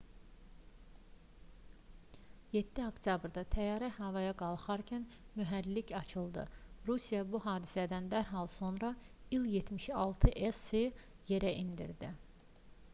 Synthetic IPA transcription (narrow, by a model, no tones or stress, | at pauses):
jet̪ʰːiokt̪ʰjɑbɾd̪ɑt̪ʰæjɑːɾæhɑvɑjɑɡɑlˠχɑɾcʰænmyɦæɾlicɑt͡ʃʰɯlˠd̪ɯ̰ɾusijɑbuɦɑːd̪isæd̪ænd̪æɾɦɑlˠso̞nɾɑ | ilˠje̞t̪miʃɑlˠt̪ʰɯʔesi | je̞ɾæʔind̪ḭɾd̪i